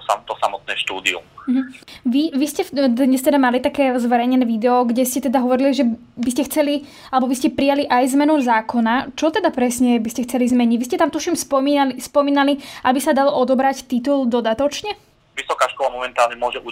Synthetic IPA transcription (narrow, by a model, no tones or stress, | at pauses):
sa̰mt̪ɔsamɔt̪̚nɛːʃt̪uːd̪ḭṵm̩ɦm̩ʋiʋiscɛd̪ɲɛst̪ɛd̪amalit̪akɛːzʋɛɾɛjɲɛnɛːʋid̪ɛɔɡɟɛscɛt̪ɛd̪aɦɔʋɔɾiliʒɛ | biscɛxt͡sɛli | alɛbɔbiscɛpɾijaliʔajzmɛnuzaːkɔnat͡ʃɔt̪ɛd̪apɾɛsɲɛbiscɛxt͡sɛlizmɛɲiɟʋis̬cɛt̪amt̪uʃimspɔilispɔmiːnaliʔabisad̪alɔʔɔd̪ɔbɾact̪it̪uld̪ɔd̪at̪ɔt͡ʃɲɛ | ʋisɔkaːʃkɔlamɔmɛnt̪aːlɲɛmʊɔʒɛʔu